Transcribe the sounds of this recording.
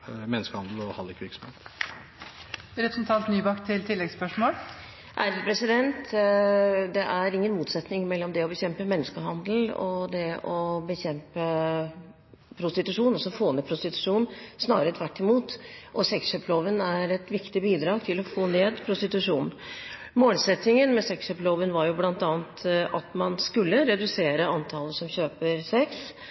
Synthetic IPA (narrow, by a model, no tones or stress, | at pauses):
mɛnːəskəhɑnd̪l̩ɔhɑlɪkʋɪɾksɔ̥mḛːt̪ | ɾɛpɾəsn̩t̪ʰɑnt̪nyːbɑkt̪ʰɪlt̪ʰɪlːɛɡspœʂmoːl | ʔæ̰ɾpʰɾɛsɪd̪ɛnt̪ | d̪ɛʔæɾɪŋːənmuːt̪sɛt̪nɪŋmɛlːɔmd̪ɛɔbəçɛmpəmɛnːəskəɦɑnd̪lɔ̰d̪ɛɔbəçɛmpə | pʰɾʊst̪ɪt̪ʉʂuːnɔsɔfoːnɛːpʰɾʊst̪ɪt̪ʉ̥ʂuːnsnɑːɾəɛt̪ʰʋæʈːɪmuːt̪ʔɔsɛksɕøːploːʋənæɾɛt̪ʋɪkt̪ɪbiːd̪ɾɑːɡt̪ʰɪlɔfoːneːd̪pʰɾʊst̪ɪt̪ʉʂuːn | moːlsɛt̪nɪŋənmɛsɛksɕøːploːʋənʋɑɾjʊblɑnt̪ɑːənt̪ʔɑt̪mɑnskʉlːəɾɛd̪ʉseːɾəɑnt̪ʰɑləsɔmɕøːpəɾsɛks